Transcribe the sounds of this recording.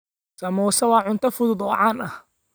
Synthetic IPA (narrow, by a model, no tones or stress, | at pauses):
sɐmɔːsɐwɑːʕʊnt̪ʰɐfʊðʊd̪ɔːʕaːnɐh